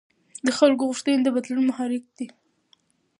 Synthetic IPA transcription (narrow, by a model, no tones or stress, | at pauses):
d̪əxalk̬oɣʊʂt̪əned̪əbad̪lunmahɑɾɪk̚d̪i